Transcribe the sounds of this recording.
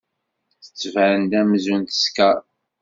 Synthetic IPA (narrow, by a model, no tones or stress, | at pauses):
θə̥t͡sːvəɾənd̪æmzunt̪ə̥skæɾˤ